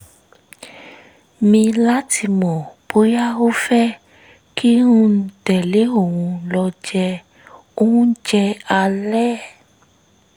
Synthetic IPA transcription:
mĩ˧la˦tʰi˧mɔ̃˨bo˨˦ja˦o˦fɛ˦ | ki˦ɾ̃ũ˦n̩˨tɛ˨le˨˦o˦˨wũ˧lɔ˧d͡ʒɛ˧ | o˦ũ˦d͡ʒɛ˧a˧lɛ˦

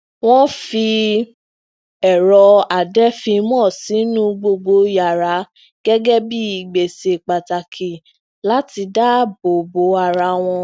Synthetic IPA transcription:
w̃ɔ̃˦fi˧ | ɛ˨ɾɔ˧a˨dɛ˦fĩ˧mɔ̃ː˦˨si˨˦nũ˦ɡ͡bo˧ɡ͡bo˧ja˨ɾa˨˦ | ɡ̥ɛ˦ɡɛ˦bi˦i˨ɡ͡be˨se˧˨k͡pa˨ta˨kʰi˨ | la˦ti˧da˦bo˨bo˨˦a˨ɾa˧˦w̃ɔ̃˧

